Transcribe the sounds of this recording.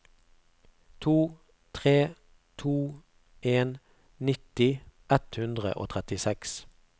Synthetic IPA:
t̪ʰuː | t̪ʰʁeː | t̪ʰuː | eːn | nɪt̪ɪʔɛt̪hʉnd̪ʁə̰ʔo̰ːt̪ʰʁɛt̪ɪsɛks

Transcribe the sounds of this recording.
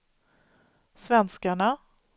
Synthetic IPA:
svɛnskaɳa

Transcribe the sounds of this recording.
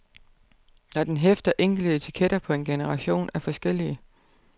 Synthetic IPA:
d̥ɒd̥enɦefd̥ɐʔeŋ̰ɡ̥l̩d̥əet͡sʰi̥kʰeɾ̥ɐpʰɒ̽e̝nɡ̥e̝nəʁɑ̈ɕo̝̰ːnæɐfɒ̽sɡ̥el̰iə

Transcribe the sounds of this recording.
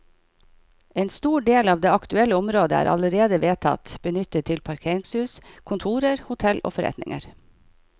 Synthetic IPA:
eːnst̪uːɖeːlɑːʋd̪eːɑkt̪ʉɛləʊmɾoːd̪əæ̰ːɾʔɑ̰ləɾeːd̪əʋeːt̪ʰɑ̰t̪b̥ənʏt̪ət̪ʰːɪlpʰɑɾkʰeːɾɪŋshʉːskʰʊnt̪ʰuːɾəɾhʊt̪ʰɛlʔo̰ːfɔɾɛ̰t̪nɪ̰ŋə̰ɾ

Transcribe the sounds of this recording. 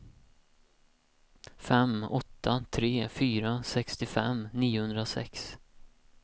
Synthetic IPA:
fɛmɔt̪ʰːat̪ʰɾeːfyːɾasɛkst̪ɪfɛmniːʊhɵnd̪ɾasɛ̰ks

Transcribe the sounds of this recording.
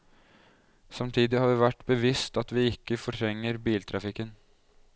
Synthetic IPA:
sɑmt̪ʰiːd̪ɪhɑːɾʋɪʋæʈːbəʋɪst̪ɑt̪ʋɪɪkːəfɔʈʰɾɛŋːəɾbiːlt̪ʰɾɑfɪkːən

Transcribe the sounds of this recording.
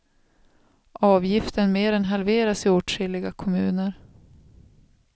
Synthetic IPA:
ʔɑːvjɪft̪ənmeːɾɛnɦalveːɾasɪoːʈʂɪlːɪɡakʰɔmʉ̟ːnəɾ

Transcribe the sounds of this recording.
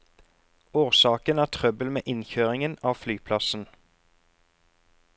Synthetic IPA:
oːʁsɑːkənæːʁt̪ʰʁœbəlmeːʔɪnçøːʁɪŋənɑːʋflyːpʰlɑsn̩

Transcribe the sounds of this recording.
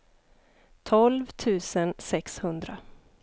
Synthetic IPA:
t̪ʰɔlvt̪ʰʉ̟ːsənsɛkshɵnd̪ɾa

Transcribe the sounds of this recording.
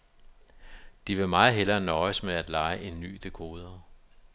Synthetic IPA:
d̥iʋe̝mɑ̈ːð̩ˠɦel̰ɐːnɒɪəsmeæd̥lɑ̈ɪəʔe̝nːy̰ːd̥e̝kʰo̝ːð̞ˠɐ

